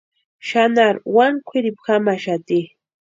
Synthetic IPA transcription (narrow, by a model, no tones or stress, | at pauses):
ʃanaɾwaŋkʷʰɪɾɪpxamaʃat̪i